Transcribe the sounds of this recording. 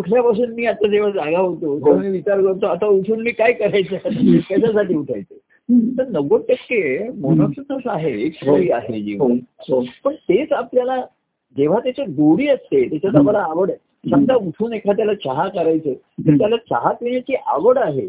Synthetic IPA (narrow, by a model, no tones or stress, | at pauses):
muʈʰljapasuːnmiːat̪ːad͡zeʋ̤ad͡zaɡʱaɦot̪ot̪eamiʋit͡ɕaɾkəɾt̪oat̪auʈʰuːnmiːkajkəɾajt͡sat̪jaɕasaʈiːuʈʰa̰jt͡se | t̪əɾnəɡot̪əkːemonɔksənəsaɦekʰəiːaɦed͡ʑiʋəɦopəɳt̪et͡sapljala | d͡ʑeʋ̤at̪jat͡ɕeɡ̪oɽiːəst̪et̪jat͡ɕat͡sabəlaːʋəɽ | t͡ɕəŋd̪ʱauʈʰuːnekʰat̪̬jalat͡ɕaɦakəɾajt͡se | t̪əɾt̪jalat͡ɕaɦat̪ʋiɲat͡ɕiːʔa̰ʋəɽaɦe